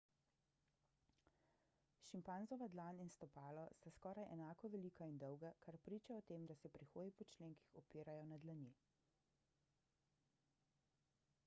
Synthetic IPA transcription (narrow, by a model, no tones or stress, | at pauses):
ʃimpanzɔʋad̪laninst̪ɔpaːlɔst̪askɔːɾajʔɛnaːkɔʋɛliːkʰaind̪ɔwɡakaɾpɾiːt͡ʃaɔt̪eːmd̪asɛpɾixoːd̪ipɔt͡ʃleːŋki̥xɔpiːɾajɔnad̪lani